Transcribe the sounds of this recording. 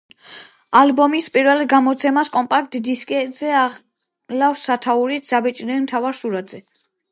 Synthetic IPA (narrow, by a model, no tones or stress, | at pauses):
albɔmispʼiɾvɛlɡamɔt̪sʰɛmaskʼɔmpʼak̚t̪d̪iskʼɛzɛa | lafsat̪ʰauɾit̪ʰz̥abɛt͡ʃʼnɛlmt̪ʰavaɾsuɾad̪z̥ɛ